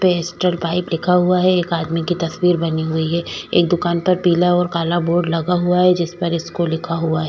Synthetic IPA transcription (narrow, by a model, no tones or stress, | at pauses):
peɪsʈəlpaːɪplɪkʰaɦuaɦɛeːkaːd̪mikit̪ɐswiːɾbɐniɦʊiɦɛːḛːkd̪ʊkaːnpɐɾpiːlaɔːɾkaːlaboːɾɖlɐɡaɦuaɦɛd͡ʒɪspɐɾɪskolɪkʰaɦuaɦɛ